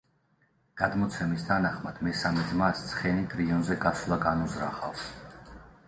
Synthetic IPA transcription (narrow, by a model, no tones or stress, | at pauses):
ɡ̥ad̪mɔt̪sʰɛmisd̪ʰanaχmad̪̥mɛsamɛd̪zmast̪sʰχɛnit̪ʼɾiɔnzɛɡasulˠaɡanuzɾaχafs